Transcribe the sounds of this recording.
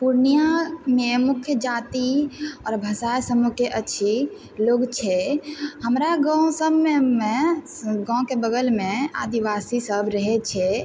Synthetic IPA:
puɾnijamemukʰːjəd͡ʒat̪iɔːɾbʱəsajsəmukeʔətːʃʰi | loɡt͡ʃʰɛɦəmɾaɡãw̃səbmeme | ɡɔ̃kebəɡəlmea̰d̪iʋasisəbɾəɦɛt͡ʃʰɛ

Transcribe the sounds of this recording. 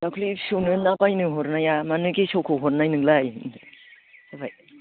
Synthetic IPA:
dakʰlisonɯnabajnɯɦɔɾnajamanɯɡisokʰoɦɔɾnajnɯŋlaj | abaj

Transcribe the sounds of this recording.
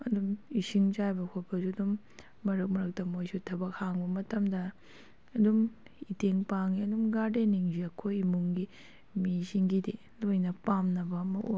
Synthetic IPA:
ɐdumisiŋt͡ʃajbɐkʰopʰɐsuɐdumː | ɐɾɐk̚mɐɾɐk̚tɐmojsutʰɐbɐk̚haŋbɐmɐtɐmdɐː | dum | iteŋpaŋiɐdumɡaɾdeniŋziɐkʰojimuŋɡi | misiŋɡide | lojnɐpamnɐbɐmɐʔo

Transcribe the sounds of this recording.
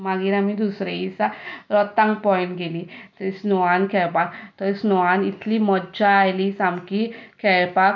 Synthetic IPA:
maɡiːɾamid̪usɾeisaɾɔt̪ãŋɡpɔinɡelit̪esnɔankʰɛpakt̪ɔɾsnɔanit̪limɔdd͡ʑaːjlisamkikʰɛpak

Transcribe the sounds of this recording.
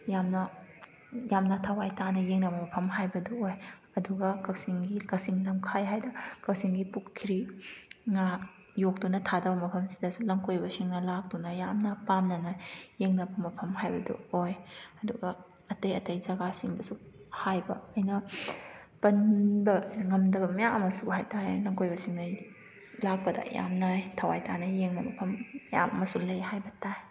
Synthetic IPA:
jamnɐ | jamnɐtʰawajtanɐjeŋnɐbɐmɐpʰɐmhajbɐduoj | ɐduɡɐkɐwsiŋɡikɐsiŋlɐmkʰajɦajdɐkɐwsiŋɡipukkʰːiɾi | ŋa | jok̚tunɐtʰadɐbɐmɐpʰɐmsi̥dɐsulɐŋkojbɐsiŋnɐlak̚dunɐjamnɐpamnɐnɐjeŋnɐbɐmɐpʰɐmhajbɐdṵojɐduɡɐ | ɐtɐjɐtɐjzɐɡasiŋdɐsuhajbɐ̰ɐjnɐ | pɐnbɐŋɐmdɐbɐmɐjaɐmɐsuhajtaɾelɐŋkojbɐsiŋnɐ | lak̚pɐdɐ̰ja̰mnɐtʰɐwajtʰanɐjeŋnɐmɐpʰɐmja̰mɐ̰mɐsulɐjhajbɐtaj

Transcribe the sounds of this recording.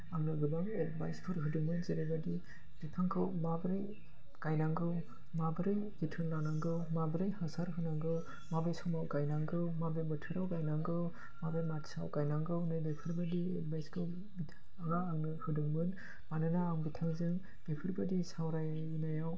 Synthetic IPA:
aŋnɯɡɯbaŋet̚bajspʰɔɾɦɯduŋmɯnzeɾejbadi | b̥itʰaŋkʰɯwmabɾɯj | kajnaŋɡɯw | mabɯɾɯjɡitʰɯnlanaŋɡɯwmabɯɾɯjhasaɾɦɯnaŋɡɯw | mabejsɔmawkajnaŋɡɯwmabebɔtʰɯɾawkajnaŋɡɯw | mabematsa̰wkajnaŋɡɯwnɯjbepʰɯɾbadiḛt̚bajskʰɯ | bitʰ | aŋaːŋnɯhɯdɯŋmɯn | manɯnaːŋbitʰaŋzɯŋ | b̥epʰɯɾbadisawɾaj | inajaw

